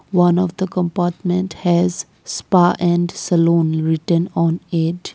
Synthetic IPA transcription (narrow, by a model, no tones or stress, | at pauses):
ʋʌ̃nɔʋd̪əkə̃mpaːɾʈmɛ̃ɳʈhɛz | spaːʔɛ̃ɳɖsəlõːnɾɪʈə̃nɔ̃ːneɖ